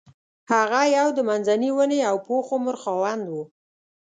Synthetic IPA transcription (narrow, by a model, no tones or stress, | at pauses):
haɣajawd̪əmanzaniwəneawpoxomʊɾxɑwand̪wu